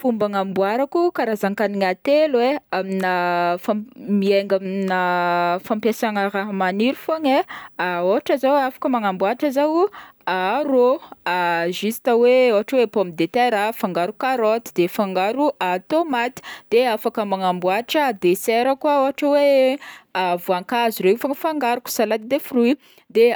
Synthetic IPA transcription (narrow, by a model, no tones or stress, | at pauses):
fumbaŋambuaɾakukaɾazaŋkaniɲat̪elweaminəfamieŋɡaminəfampjasaŋəɾaɦamaniɾufoŋeaoaʈ͡ʂəzawafḁkəmaŋambuaʈ͡ʂəzawaɾoaʒist̪aweoɦaʈ͡ʂəwepomid̪et̪eɾafaŋɡaɾukaɾɔt̪i̥d̪efaŋɡaɾuat̪omat̪i̥d̪̥eafakəmaŋambuaʈ͡ʂəd̪esɛɾəkwaoɦaʈ͡ʂəwe | avuaŋkazuɾefaŋəfaŋɡaɾuku̥salat̪id̪efurui | d̪e